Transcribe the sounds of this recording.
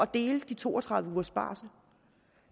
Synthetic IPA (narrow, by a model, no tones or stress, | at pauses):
ɒ̽d̥e̝ːld̥it͡sʰo̝̰ːɒt͡sʰʁɑ̈ð̞ˠʋəuːɐsb̥ɑ̰̈ːsə